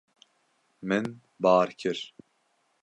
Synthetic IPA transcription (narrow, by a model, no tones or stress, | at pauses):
mɨn | bɑːɾkʰɨɾ